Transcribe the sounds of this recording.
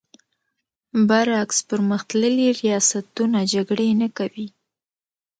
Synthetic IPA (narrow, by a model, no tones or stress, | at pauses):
baɾakspəɾməxt̪ləliɾijɑsat̪unad͡ʒaɡɽenakawi